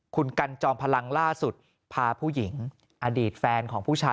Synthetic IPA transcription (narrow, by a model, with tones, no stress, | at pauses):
kʰu˧nka˧nt͡ɕɔː˧ŋpʰa˧la˧ŋlaː˥˩su˨˩t̪̚ | pʰaː˧pʰuː˥˩ji˩˦ŋ | ʔaː˧diː˨˩t̪̚fɛː˧nkʰɔː˩˦ŋpʰuː˥˩t͡ɕʰaː˧